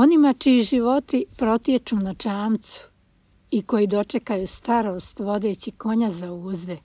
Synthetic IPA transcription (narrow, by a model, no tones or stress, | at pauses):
o̞nimat͡ʃiːʒiʋo̞t̪ipɾo̞t̪jet͡ʃunat͡ʃaːmt̪su̥ | iko̞jid̪o̞t͡ʃekajuːst̪aɾoːst̪ʋo̞d̪e̞ːt͡ɕiko̞ɲazauːzd̪e